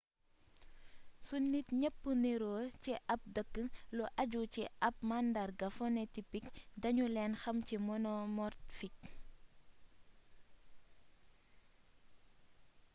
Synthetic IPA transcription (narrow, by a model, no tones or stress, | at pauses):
sunːitɲəpːəneɾɔːciʔɐp̚dəkːəŋlɔʔɐɟuciʔɐp̚mandɐrɡɐfɔnɛtipikdɐɲulɛːnxɐmcimɔnɔmɔrtfik̚